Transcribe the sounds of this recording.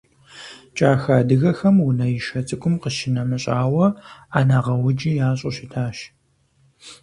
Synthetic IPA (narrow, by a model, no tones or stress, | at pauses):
t͡ʃʼaːxaːdɨɣɐxɐmwʊnɐjɪʃɐt͡sʼɨkʷʊmqəʃɪnɐmɨɕʼaːwɐaːnaːʁɐwʊd͡ʒijaːɕʼʊʃɪtʰaːʃ